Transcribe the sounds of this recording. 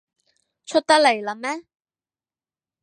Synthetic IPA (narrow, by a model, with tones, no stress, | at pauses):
t͡ʃʰɵ˥t̚t̪ɐ˥k̚le˨˩jlɐ˨˧mɛː˥